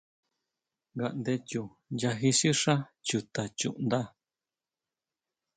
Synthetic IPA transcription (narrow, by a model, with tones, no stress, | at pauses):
ŋɡa˧ʔnd̪e˧t͡ʃu˧ | ja˧ɦi˧ʃi˦ʂã˦t͡ʃu˨t̪a˨t͡ʃṵ˧ʔnd̪a˦